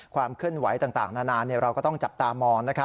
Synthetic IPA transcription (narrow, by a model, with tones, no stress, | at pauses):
kʰwaː˧mkʰɯ˥˩ənwa˩˦jt̪aː˨˩ŋt̪a̰ː˨˩ŋnaː˥˩naː˧nːi˥˩ɐɾa˧wkɔː˥˩t̪ɔ˥˩ŋt͡ɕa˨˩p̚t̪aː˧mɔː˧ŋna˦˥kʰa˦˥